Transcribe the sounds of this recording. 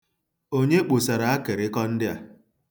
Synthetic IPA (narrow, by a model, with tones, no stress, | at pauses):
o˦ɲe˦k͡pu˨sa˨ɾa˨a˦ke˨ɾɪ˦kɔ˦n̩˦dɪ˦a̰˨